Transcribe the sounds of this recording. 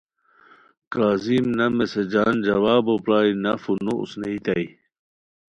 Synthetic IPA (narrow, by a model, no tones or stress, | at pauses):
kaːzimnɐmesed͡ʑaːnd͡ʑɐwaːbopɾaːinɐfunoṵsneit̪ɐj